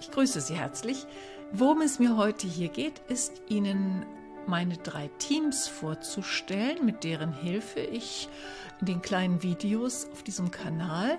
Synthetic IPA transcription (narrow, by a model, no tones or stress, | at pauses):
ʔɪçɡ̥ʁyːsəziːhɛɐt͡slɪç | voʁʊmɛsmiːɐɦɔʏtʰəɦiːɐɡeːtʔɪstʔiːnən | maɪnədʁa̰ɪtʰiːmsfoːɐt͡suʃtɛlənmɪt̚d̥eːʁ̞ənɦɪlfəʔɪç | ʔɪndeːnkl̥aɪnənviːdeosaʊfd̥iːzəm̩kʰanaːl